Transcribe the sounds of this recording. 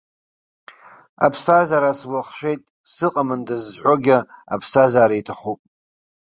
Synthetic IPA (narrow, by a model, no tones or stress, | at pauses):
a̰pʰstʰazaɾaswaχʃʷᶣe̞jtʼ | sɨqʼamɨndazħʷoɡʲaa̰pʰstʰazaːɾaitʰaχupʼ